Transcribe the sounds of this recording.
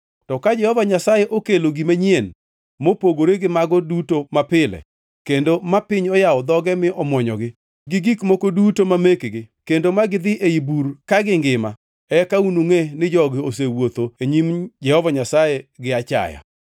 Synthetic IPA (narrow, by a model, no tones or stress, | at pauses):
tɔkad͡ʒɛhɔvaɲasajɛʔokeloɡimaɲien | mopoɡoɾeɡɪmaɡɔdutomapɪlɛ̰ | kendomapɪɲɔjaɔd̪ɔɡɛmɪɔmɔɲɔ̰ɡɪ | ɡɪɡikmokodutomamekɡɪkendomaɡɪd̪ɪʔeibuɾkaɡɪŋɡɪma | ɛkaunuŋenɪd͡ʒɔɡɪos̬ewot̪oeɲimd͡ʒɛhɔvaɲasajeɡɪat͡ʃa̰ja̰